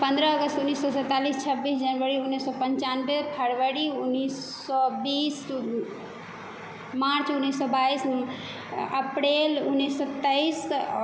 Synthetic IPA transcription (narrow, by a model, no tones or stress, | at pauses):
pə̃nd̪ɾəəɡəst̪unːisːɔsɛ̃t̪alist͡ʃʰəbisd͡ʒənʋəɾiunːisːɔpəɲt͡ʃanbepʰəɾʋəɾiunːis | ɔbis | maɾt͡ʃunːisːɔbais | əpɾelunːisːɔt̪əis